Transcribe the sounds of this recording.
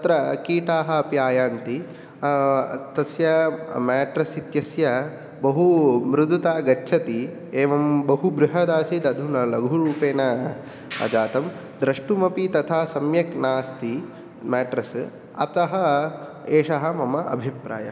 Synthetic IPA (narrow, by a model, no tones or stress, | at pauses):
ɐt̪ɾɐkiːʈaːɦɐɐpjaːjaːnt̪i | t̪ɐsjɐmɛːʈɾɐsit̪jɐsjɐ | bɐɦumɾud̪ʱut̪aːɡɐtːʃʰɐt̪i | eːʋɐmbɐɦubɾʊɦɐd̪aːsid̪ɐd̪ʱunɐlɐɡʱuɾuːpeːnɐ | ɐ̰d͡ʒaːt̪ɐm | d̪ɾɐʂʈumɐpit̪ɐt̪ʰasɐmjɐknaːst̪i | mɛːʈɾɐs | ɐ̰t̪ɐɦɐ | eːʂɐɦɐ̆mɐmɐʔɐ̰bʱipɾa̰ːjɐ̰